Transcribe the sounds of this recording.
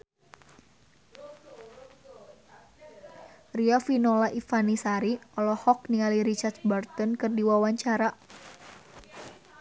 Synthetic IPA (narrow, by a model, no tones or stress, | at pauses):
riafinɔlaʔifanisaɾiɔlɔhɔk̚niŋaliɾit͡ʃart̪̚bart̪ɔnkɨrdiwawaɲt͡ʃaɾa